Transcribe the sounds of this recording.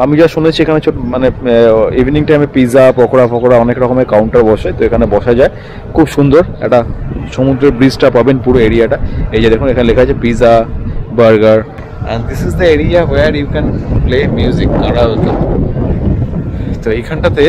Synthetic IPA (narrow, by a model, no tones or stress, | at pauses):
amid͡ʑaʃunet͡ɕʰiekʰanet͡ɕʰomaneibʱniŋʈajmepizapɾɔkoɾapʰɔkoɾaɔnekɾɔkomekːawɳʈaɾbɔʃet̪oekʰanebɔʃad͡ʑae | kʰubʃund̪oɾɛ̰k̚ʈaʃomud̪ɾeɾbɾisʈapabenpuɾoeɾiaʈaed͡ʑad̪ekʰunekʰanelekʰad͡ʑapizabaɾɡaɾ | ɛ̰̃nd̪isizd̪əeɾiaweɾjukɛ̃nplemjuzik̚naɾaoobo | t̪oejkʰanʈat̪e